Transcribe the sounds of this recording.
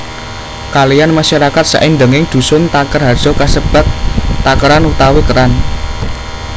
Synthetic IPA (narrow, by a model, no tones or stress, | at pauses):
kalijanmaʃaɾakat̪̚sə̰ʔɪnɖ̪ə̤ŋɪŋd̪̥ṳsʊnt̪akərɦḁʒ̥ɔ̤kasəb̥a̤t̚t̪akəɾanut̪awikəɾan